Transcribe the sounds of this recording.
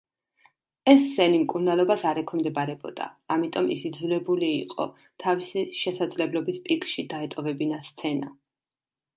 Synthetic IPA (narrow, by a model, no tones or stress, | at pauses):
ɛsːɛnimkʼuɾnalˠɔbasaɾɛkʰɔmd̪ɛbaɾɛbɔd̪̥a̰amit̪ʼɔmḭsid̪zlɛbuliːqʼɔ̰ | t̪ʰavisiʃɛsad̪zlɛblɔbispʼikʰʼʃid̪aɛt̪ʼɔvɛbinast̪sʰɛna